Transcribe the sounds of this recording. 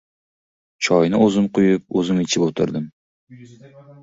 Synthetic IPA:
t͡ʃʰɒjnɪɵzɪmqʰʊjʊp̚ɵzɪmet͡ʃʰɪpot̪ʰɪ̰ɾd̪ɪm

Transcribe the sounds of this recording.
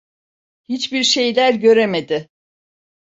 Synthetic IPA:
hit͡ʃbiɾʃe̞jlʲæɾɟø̞ɾemed̪ɪ

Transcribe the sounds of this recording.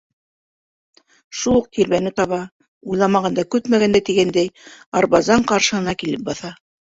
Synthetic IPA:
ʃulˠuq̚t̪ʰiɾβænɘt̪ɑβɑ | ujlˠɑmɑʁɑnd̪ɑkʉt̪mæɣænd̪æt̪iɡænd̪æjɑɾβɑzɑɴqɑɾʃɤ̆hɤ̆nɑkilɘp̚bɑθɑ

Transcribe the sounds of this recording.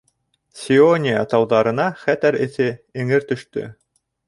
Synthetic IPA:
sʲionʲɪjət̪ɑwðɑɾɤ̆nɑχæt̪ɘɾɘ̆θɘɘ̆ŋɘɾt̪ɵ̆ʃt̪ɵ̰

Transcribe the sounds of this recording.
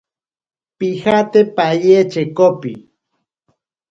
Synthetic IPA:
pixat̪epajet͡ʃekopḭ

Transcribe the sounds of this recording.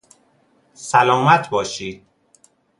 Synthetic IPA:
sælɒːmæt̪ʰbɒːʃiːd̪̥̚

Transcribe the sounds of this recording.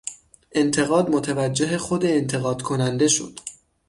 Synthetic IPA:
ʔe̞nt̪ʰe̞ɣɒːd̪mot̪ʰevæd͡ʒːe̞ɦexod̪eːnt̪ʰe̞ɣɒːd̪kʰonænd̪e̞ʃo̞̰d̪̥

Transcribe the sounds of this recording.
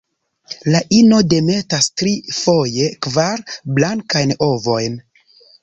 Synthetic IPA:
laʔino̞de̞me̞tastɾifo̞je̞kvaɾblaŋkajno̞vo̞jn

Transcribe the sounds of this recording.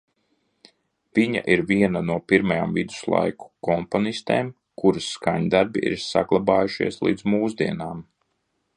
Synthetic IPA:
v̥iɲa̰ʔiɾviɛnanuɔpiɾmaja̰ːmvid̪u̥slˠa̰jku̥kɔmpɔnist̪eːm | kuɾusːkaɲd̪aɾbiḭɾsa̰ɡlˠabaːjuʃḭɛslˠḭːd̪zmuːzd̪iɛnaːm

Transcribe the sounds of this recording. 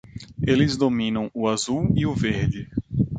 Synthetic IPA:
elɪzd̪omĩnɐ̃w̃ʊazuwiʊveɾd̪ɪ

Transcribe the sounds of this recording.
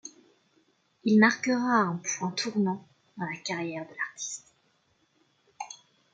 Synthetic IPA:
ilmaʁkəʁaɛ̃pwɛ̃t̪ʰuʁnɑ̃ | d̪ɑ̃lakaʁjɛʁd̪əlaʁt̪ʰi̥st̪

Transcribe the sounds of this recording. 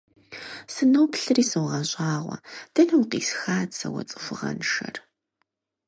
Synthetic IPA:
sɨnɐwpɬɨriːsɐwʁɐɕʼɑːʁʷɐ̰d̥ɐnɐwqḭːsxaːt͡ssʰɐwɐ̰t͡sʼɨ̥fʷʊʁɐ̰nʃɐr

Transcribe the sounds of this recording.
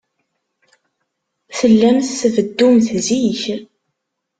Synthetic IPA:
θəlːæmθsvəd̪ːumθziç

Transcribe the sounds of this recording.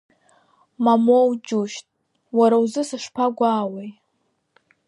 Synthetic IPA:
mamowd͡ʒuʃtʼ | waɾawuzɨsɨʂpʰaɡʷaːwej

